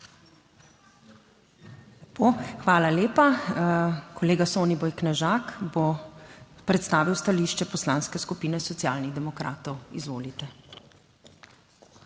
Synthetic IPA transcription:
poxʋaːlaleːpa | kʰɔleːɡasoːnibɔjknɛʒaːkbo | pɾɛt̪st̪aːʋiwst̪aliːʃt͡ʃɛpɔslaːnskɛskupiːnɛsɔt̪sjaːlniɣd̪ɛmɔkɾa̰ːt̪ɔwizʋoːlit̪ɛ

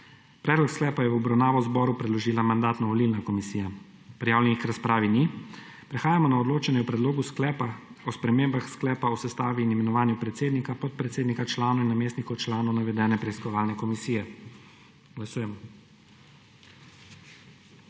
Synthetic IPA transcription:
pɾɛːd̪lɔksklɛːpajɛwɔbɾawnaːʋɔwzbɔːɾupɾɛd̪lɔʒiːlamand̪aːt̪nɔʋɔlilnakɔmisiːja | pɾijaːwlʲɛnikɾaspɾaːʋinipɾɛxaːjamɔnaɔd̪loːt͡ʃɛnɛwpɾɛd̪loːɡusklɛːpaɔspɾɛmeːmbaxsklɛːpausɛst̪aːʋiːnimɛnɔʋaːnjupɾɛt̪seːd̪nikapɔt̪̚pɾɛt̪seːd̪nikat͡ʃlaːnainːameːst̪nikɔwt͡ʃlaːnɔwnaʋɛd̪ɛːnɛpɾɛiskɔʋaːlnɛkɔmisiːjɛ | ɡ̥lasuːjɛmɔ

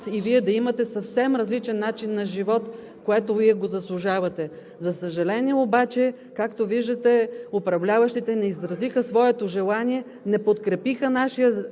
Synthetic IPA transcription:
iviɛd̪ɐimɐt̪ɛsɐfsɛmɾɐzlit͡ʃɛnːat͡ʃinːɐʒivɔt̪ | koɛt̪oviɛɡozɐslˠuʒavɐt̪ɛ | zɐsəʒɐlɛniɛobat͡ʃɛ | kakt̪oviʒd̪ɐt̪ɛopɾɐvlʲavɐʃt̪it̪ɛnɛizɾɐzixəsvɔɛt̪oʒɛlˠaniɛ | nɛpot̪kɾɛpixənaʃijə

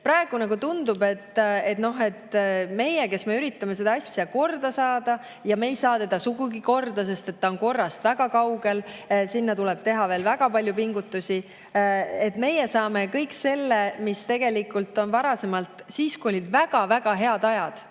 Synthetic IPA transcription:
pɾɑeɡ̥unɑkut̪und̪ube̞t̪ːe̞t̪no̞ɦe̞t̪me̞jeke̞sme̞yɾit̪ˑːɑme̞se̞d̪ɑɑsjɑko̞rd̪̥ɑsɑːd̪̥ɑ | jɑme̞jsɑːt̪e̞d̪̥ɑsuɡuɡiko̞rd̪ɑse̞st̪e̞t̪ːɑonko̞rːɑst̪væɡɑkɑwɡe̞lsinːɑt̪ulɛb̥̚t̪e̞ɦɑve̞ːlvæɡ̥ɑpɑlʲjupiŋɡut̪ːˑusʲi | e̞t̪ːme̞jesɑːme̞kɤjkse̞lːemist̪e̞ɡ̥e̞likˑult̪ːˑo̞nvɑɾɑse̞mɑlt̪ˑsiːskujo̞lʲid̪væɡ̥ɑvæɡɑɦe̞ɑd̪ɑjɑd̪̥

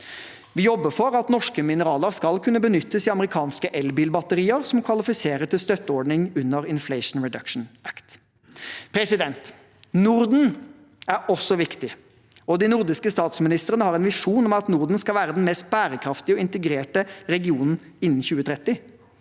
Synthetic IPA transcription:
ʋɪjɔbːəfɔɾɑt̪nɔʂkəmɪnəɾɑːləɾskɑlkʰʉnːəbənʏt̪ːəsiɑməɾɪkʰɑːnskəʔɛlbiːlbɑt̪əɾiːəɾsɔmkʰʋɑlɪfɪseːɾəʈʰɪlst̪œt̪ːəɔɖɳɪŋʉnːəɾɪnflɛɪʂn̩ɹɛd̪ɑkʂn̩ækt̪ | pʰɾɛsɪd̪ɛnt̪ | nʊɾd̪n̩ | æɾɔsːɔʋɪkt̪ɪ | ɔd̪ɪnʊɾd̪ɪskəst̪ɑːt̪smɪnɪst̪əɾənəhɑɾɛnʋɪʂuːnɔmɑt̪nʊɾd̪n̩skɑlʋæːɾəd̪ɛnmɛst̪̚bæːɾəkʰɾɑft̪ɪɔɪnt̪əɡɾeːʈəɾɛɡɪuːnn̩ɪnːn̩çʉːət̪ʰɾɛt̪ːɪ

